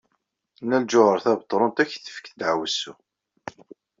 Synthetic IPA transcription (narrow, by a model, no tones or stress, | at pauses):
næld͡ʒʊʁəɾθæbət̪ˤːɾˤont̪æçθə̥fə̥kθd̪ʕwəsːu